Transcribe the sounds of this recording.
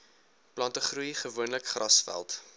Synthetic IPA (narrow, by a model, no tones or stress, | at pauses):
plɐntəχrujχəvuənləkχrɐsfæ̰lˠt